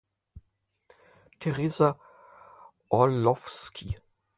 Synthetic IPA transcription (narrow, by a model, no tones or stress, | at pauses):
tʰɛʁeːza | ʔɔlɔfskʰi